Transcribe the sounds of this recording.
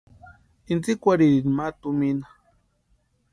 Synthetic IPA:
int͡sikʷaɾiɾinmat̪uminḁ

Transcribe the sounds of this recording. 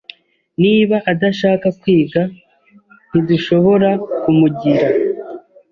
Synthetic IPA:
niːβaʔadaʃaːkakwiːɡa | n̥iduʃo̞βo̞ɾakumuɟiɾa

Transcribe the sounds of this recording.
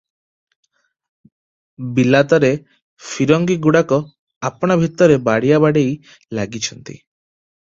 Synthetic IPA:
bilat̪ɔɾe | fʰiɾɔŋɡiɡuɽakɔ | apɔɽ̃abʱit̪ːɔɾebaɽijabaɽej | laɡit͡ʃʰɔnt̪ḭ

